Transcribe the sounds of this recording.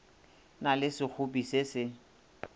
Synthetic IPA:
nalɪsɪk͡xʰʊpisɪsɪ

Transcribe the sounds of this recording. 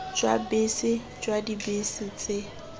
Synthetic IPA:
d͡ʒwa̰besɪ | d͡ʒwadibesɪt͡sʼɪ

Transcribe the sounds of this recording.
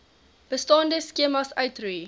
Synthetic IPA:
b̥əstɑːndəskiəmɐsœɥtrui

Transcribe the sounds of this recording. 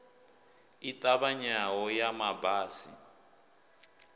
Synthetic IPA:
itʼaβaɲawɔjamabaːsḭ

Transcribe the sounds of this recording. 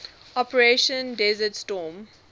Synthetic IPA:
ɔpəɹeʃə̃ndɛzətstɔːm

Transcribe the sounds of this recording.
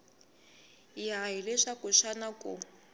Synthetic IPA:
jaɦilɛʂakʊʃanakʼṵ

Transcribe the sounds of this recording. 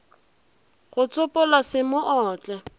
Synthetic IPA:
ɣʊt͡sʼʊpʼɔlasɪmʊʔɔːt͡ɬʼɛ

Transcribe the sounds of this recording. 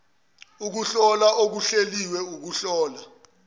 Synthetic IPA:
uk̬uɬɔlaʔok̬uɬeliwɛuk̬uɬɔːla

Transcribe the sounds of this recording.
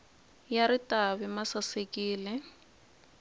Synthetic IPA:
jaɾɪtʼabɛmasasekʼiːlɪ

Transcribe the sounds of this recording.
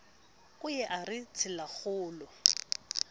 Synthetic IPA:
kʼʊjɛʔarɪt͡sʰɪlaχʊːlɔ

